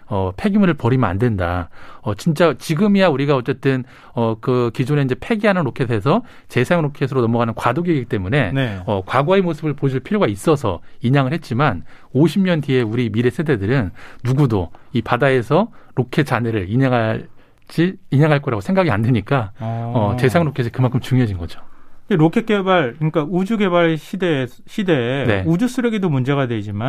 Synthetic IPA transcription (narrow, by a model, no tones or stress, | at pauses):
ʌpʰe̞ɡimuɾɯɭpʌɾimna̰ndwe̞ndaʌt͡ɕint͡ɕ͈at͡ɕiɡɯmijauɾiɡaʌt͡ɕ͈e̞t͈ɯn | ʌkɯkid͡ʑone̞iɲd͡ʑe̞pʰe̞ɡiɦanɯnɾokʰe̞s̬ʰe̞s̬ʰʌ | t͡ɕe̞sʰaŋɾokʰesʰɯɾonʌmʌɡanɯnkwadoɡieɡiit͈emune̞nʌkwaɡwaemosʰɯbɯɭpod͡ʑiɭpʰiɾjoɡais͈ʌsʰʌ̰iɲaŋɯɭhet̚t͡ɕ͈imanoɕʰimɲʌntie̞uɾimiɾe̞sʰe̞de̞dɯɾɯnːuɡudoipadae̞sʰʌɾokʰe̞t͡ɕane̞ɾɯɭiɲeŋɦa | t͡ɕiːɲaŋɦaɭk͈ʌɾaɡosʰeŋɡaɡiandeɲik͈aʌte̞sʰaŋɾokʰesʰɯkɯmankʰɯmt͡ɕuŋjoɦad͡ʑinɡʌd͡ʑoeɾokʰek͈ebaɭkɲik͈aud͡ʑuɡe̞baɭɕʰide | ɕʰide̞ne̞ud͡ʑus͈ʰɯɾʌɡedomund͡ʑe̞ɣadwed͡ʑima